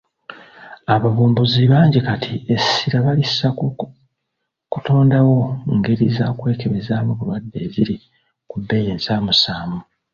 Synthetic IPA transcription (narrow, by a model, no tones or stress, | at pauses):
aβaβuːmbuziβaːɲɟikatʰiesiɾaβalisa | kutʰoːndawo̞ŋɡe̞ɾizakwe̞ːke̞βezaːmuβuβadːe̞ːziɾi | kubːe̞jeːnzaːmusaːmu